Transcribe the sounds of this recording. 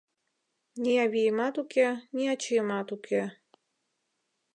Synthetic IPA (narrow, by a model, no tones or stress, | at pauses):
nʲiɑβʲijəmɑt̪ukenʲiɑt͡ɕijəmɑt̪ukʰe